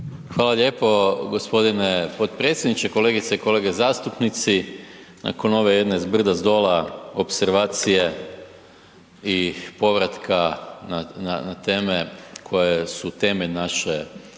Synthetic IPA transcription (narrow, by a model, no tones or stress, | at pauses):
xʋaːlˠaʎe̞ːpo̞ɡo̞spo̞d̪inepot̪̚pɾe̞t̪sʲjed̪nit͡ʃeko̞le̞ɡit̪seiko̞le̞ːɡezaːst̪upnit̪si | na̰ko̞no̞ʋejed̪neizbr̩d̪azd̪o̞ːlao̞pseɾʋaːt̪sije | ipo̞ʋɾat̪kʰanananat̪e̞ːmekʰo̞jesut̪e̞meʎnaʃe